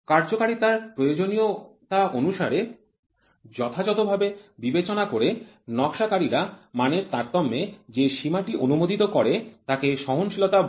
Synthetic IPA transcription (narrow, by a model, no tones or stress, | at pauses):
kaɾd͡ʑokaɾit̪aɾpɾojod͡ʑonijot̪aʔonuʃaɾe | d͡ʑɔt̪ʰad͡ʑɔt̪obʱabebibet͡ɕonakoɾe | nɔkʃakaɾiɾamaneɾt̪aɾt̪ɔmːed͡ʑeʃimaʈiʔonumod̪it̪okɔɾet̪akeʃɔɦonʃilot̪a